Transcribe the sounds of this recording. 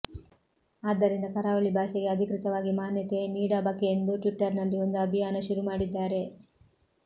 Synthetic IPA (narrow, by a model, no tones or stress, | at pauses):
aːd̪ːɐɾind̪ɐkɐɾaːʋɐɭibʱaːʃɛɡe̞ɐd̪ʱikɾit̪ɐʋaːɡimaːnjɐt̪e̞niːɽɐbɐkːeend̪uʈʋiʈːɐɾnɐlːio̞nd̪uɐbʱijaːnɐʃuɾumaːɽid̪ːaːɾe̞